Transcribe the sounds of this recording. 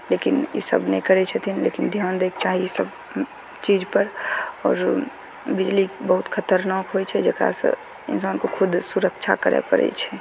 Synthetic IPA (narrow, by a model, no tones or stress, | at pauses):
lekinjḛsə̰bnekəɾɛt͡ʃʰɛt̪ʰinlḛːkind̪ʱjaːnd̪eːk̚t͡ʃaːɦisəb | t͡ʃiːd͡ʒpəɾɔːɾ | bɪd͡ʒlibəɦʊt̪kʰət̪əɾnaːkɦot͡ʃʰɛd͡ʒəkɾa̰sə̰ | ɪ̰nsaːnkokʰʊd̪ʱsuɾəkt͡ʃʰa̰kəɾḛpə̰ɾɛ̰t͡ʃʰɛ